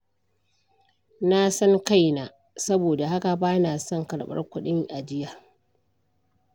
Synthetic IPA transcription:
na˦sɐ˦ŋka˦jnaː˨ | sɐ˦boː˨da˨ha˦ka˨baː˦naː˨sɔ˦˨ŋkɐ˨ɽɓɐ̰˦rkʷʊ˦ɗɪ˦ŋʔa˨d͡ʒɪ˦ja˨

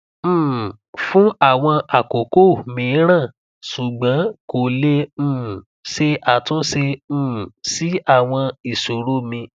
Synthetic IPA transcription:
m̩̃ː˨ | fũ˦a˦˨w̃ɔ̃˧ʔa˨ko˨ko˦˨mĩ˨˦ɾ̃ã˦˨ | su˨ɡ͡bã˨˦ko˨lẽ˧˦˨ | se˧a˨tũ˦sẽ˧˨ | si˨˦a˦˨w̃ɔ̃˧i˨so˨ɾo˦mĩ˧

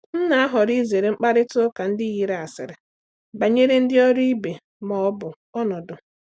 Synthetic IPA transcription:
n̩˦na˨a˦ɦɔ˨ɾi˦ze˨ɾe˨ŋ͡m̩˦k͡pa˦ɾɪ˦tʊ˦ka˨n̩˦dɪ˦ɣi˨ɾa˨sɪ̰˨ɾɪ˨ | ba˨ɲe˦ɾe˦n̩˦dɪ˦ɔ˦ɾi˦be˨ | mɔ˨˦bʊ˨ | ɔ˦nɔ˨dʊ˨

